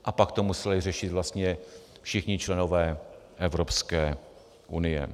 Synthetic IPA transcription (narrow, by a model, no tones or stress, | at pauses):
ʔapakt̪omusɛlɪrɛʃɪt̪vlast̪ɲɛ | fʃɪxɲɪt͡ʃlɛno̞vɛː | ʔɛvɾopskɛː | ʔunɪjɛ̰